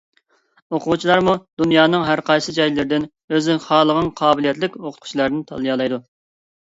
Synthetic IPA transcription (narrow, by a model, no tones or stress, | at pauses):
oqʰʊwt͡ʃʰilˠɑɾmud̪̥unjɑːnɨŋɦæɾqʰɑjsɨd͡ʒɑjllɪɾɪd̪ɪn | øzɪχɑːlˠəʁənqʰɑːbɪlijɛt̪lɪkʲoqʰt̪qʰt͡ʃʰilˠɑɾnɪt̪ʰɑ̰lˠɨjɑːlˠɑjd̪u